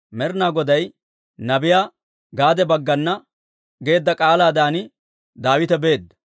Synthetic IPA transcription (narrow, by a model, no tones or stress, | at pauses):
mɛɾnaːɡɔd̪ɐj | nɐbɪjaː | ɡaːd̪ɛbɐɡːɐnːɐ | ɡe̞ːd̪ːɐkʼaːlaːd̪aːnɪ | d̪aːwɪt̪ɛbe̞ːd̪ːɐ